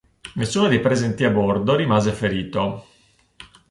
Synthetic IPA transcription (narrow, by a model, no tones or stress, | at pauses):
nesːuːnod̪ejpɾezɛnt̪iabord̪oɾimaːzefeɾiːt̪o